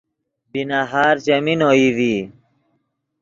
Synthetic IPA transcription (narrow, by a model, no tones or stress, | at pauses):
binaɦaːɾt͡ɕɐminoːiʋiː